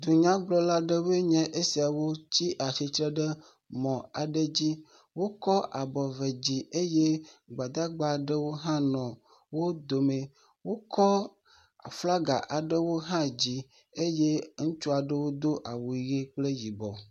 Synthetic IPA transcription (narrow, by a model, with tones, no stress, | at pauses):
d̪u˨ɲã˦ɡ͡blɔ˦la˦ɖe˦we˦ɲɛ̃˦ʔe˦si˨a˨wo˦t͡ɕi˦ʔa˨si˨t̪ɾɛ˦ɖe˦ | mɔ̃˨a˨ɖe˦d͡ʑi˦ | wo˦kɔ˦ʔa˨bɔ˨ve˨d͡ʑi˨e˦je˦ɡ͡ba˨d̪a˦ɡ͡ba˨ɖɛ˦wo˦ɦã˦nɔ̃˨ | wo˦d̪o˨me˨ | wo˦kɔ˦ | a̰˨fla˦ɡa̰˨ʔa˨ɖə˦wo˦ɦã˦d͡ʑi˦ | e˦je˦ŋũ˦t͡ʃu˦a˨ɖə˦wo˦d̪o˦ʔa˨wu˨i˨ɣe˦k͡ple˦ji˨bɔ˨